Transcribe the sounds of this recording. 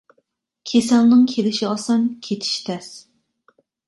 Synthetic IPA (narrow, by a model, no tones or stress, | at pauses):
kʲʰesɛlnɨŋkʲʰelɪʃiɑsɑnkʲʰet̪ʰi̥ʃt̪ʰɛs